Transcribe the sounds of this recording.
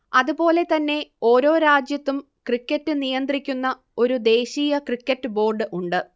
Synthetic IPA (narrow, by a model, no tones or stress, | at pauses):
ɐðubo̞ːle̞t̪ɐnːe̞o̞ːɾo̞ːɾaːd͡ʑjɐt̪ːum | krikʲːɐtːɨnijɐnd̪rikʲːunːɐ | o̞ɾud̪e̞ːɕiːjɐkrikʲːɐtːɨbo̞ːrɖɨʔuɳɖɨ